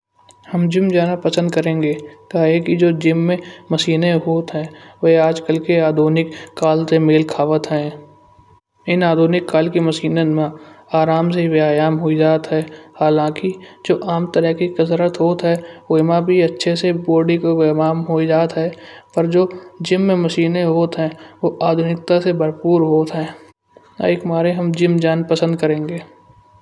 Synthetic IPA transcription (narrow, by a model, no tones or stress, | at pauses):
həmd͡ʒɪmd͡ʒaːnapəsə̃nd̪̚kəɾẽːŋɡeːkɐekid͡ʒoːd͡ʒɪmːẽməsiːneɦoːt̪ɦɛ̃ːʋɛɦaːd͡ʒkəlkeaːd̪ʱoːnɪkːaːlsemeːlkʰaːʋət̪ɦɛ̃ː | ɪnaːd̪ʱoːnɪkːaːlkiməsiːnemãaːɾaːms̬eiʋaːjaːmɦoːid͡ʒaːt̪ɦɛːhaːlãːkid͡ʒoːʔaːmt̪əɾəkikɐsɾət̪ɦoːt̪ɦɛoːɪmãbʱiɐtːʃʰeseboːɾɖikoʋaːmɦoːid͡ʒaːt̪ɦɛːpəɾd͡ʒoːd͡ʒɪmːẽməʃiːneɦoːt̪ɦɛ̃ːʋoʔaːd̪ʱʊnɪk̚t̪asebəɾpuːɾɦoːt̪ɦɛ̃ː | a̰ɪkmaːɾeɦɐmd͡ʒɪmd͡ʒaːnpəsə̃nd̪̚kəɾẽːŋɡeː